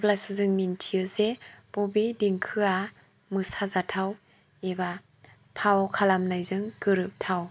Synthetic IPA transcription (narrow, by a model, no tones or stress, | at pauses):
plasɯzɯŋmintʰiɯzebɔbidiŋkʰɯa | mɯsazatʰaw | eba | pʰawɔkʰalamnajzɯŋkɯɾɯp̚tʰaw